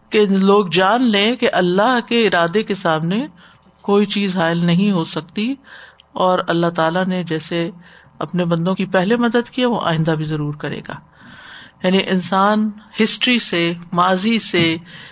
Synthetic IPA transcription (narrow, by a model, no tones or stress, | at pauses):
keloːɡd͡ʒaːnlẽkeʔɐlːaɦkeɪɾaːd̪ekesaːmne | koːit͡ʃiːzɦaːɪlnɐɦĩɦosɐk̚t̪i | ɔːɾɐlːaɦt̪aːlaned͡ʒɛːse | ɐ̰pnebɐ̃nd̪õkipɛɦlemɐd̪əd̪kiʋoʔa̰ːɪ̃nd̪abʱizɐɾuːɾkɐɾḛːɡa̰ː | jaːnĩʔɪnsaːnhɪsʈɾisemaːzise